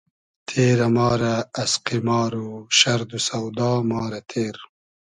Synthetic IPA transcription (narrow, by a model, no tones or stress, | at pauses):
t̪ʰeːɾamɑːɾaːsqimɑːɾuʃɐɾd̪usawd̪ɑːmɑːɾat̪ʰeːɾ